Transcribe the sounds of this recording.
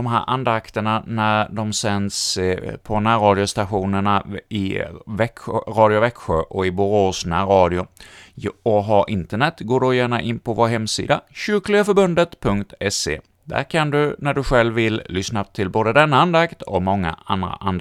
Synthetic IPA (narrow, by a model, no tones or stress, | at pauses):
d̪ɔmɦæːɾʔand̪akt̪əɳanæɾɖ̪ɔmsɛnspʰɔnæːɾɑːd̪ɪʊst̪aɧuːnəɳaɪvɛkɾɑːd̪ɪʊvɛkɧʊ̰ɾʔɔɪbʊɾoːsnaɾɑːd̪ɪʊ | ɔɦɑʔɪnt̪əɳɛt̪ːɡoːɖɔjæːɳaʔɪnːpʰɔvoːɾɦɛmːsḭːd̪aɕʏːklɪɡafœɾbɵnd̪ət̪pʰɵŋkt̪ɛsḛ | d̪̥æ̰ɾkʰand̪ɵnæɖɵɧɛlvːɪlːʏsnat̪ʰɪlboːd̪əd̪ɛnːaand̪akt̪ɔmɔŋːa̰and̪ɾa̰ʔand̪